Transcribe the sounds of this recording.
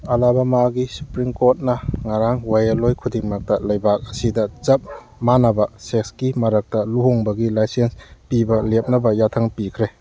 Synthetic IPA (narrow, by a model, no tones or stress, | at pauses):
ɐlabɐmaɡisu̥pɾimkot̚nɐŋaɾaŋwajalojkʰudiŋmak̚tɐlɐjbak̚ɐsidɐt͡ʃɐp̚ | manabɐsekskimɐɾak̚tɐluɦoŋbɐɡilajsenspibɐlep̚nɐbɐjatʰaŋpikʰɾe